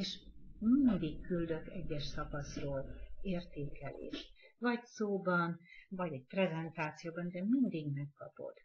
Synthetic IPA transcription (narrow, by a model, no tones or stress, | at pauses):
eːʃmind̪ikkːyld̪ø̞kɛɟːɛʃsɒkɒsroːleːrt̪eːkɛlḛːʃ | vɒɟsoːbɒnvɒɟɛɟ̚prɛzɛnt̪aːt̪sijoːbɒnd̪ɛmind̪iɡmɛkːɒpo̞̰d̪̥